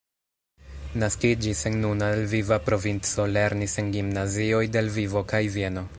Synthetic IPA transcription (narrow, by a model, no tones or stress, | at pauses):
naskid͡ʒise̞nnunaelvivapɾo̞vint͡so̞le̞ɾnise̞nɡimnazio̞jde̞lvivo̞kajvie̞no̞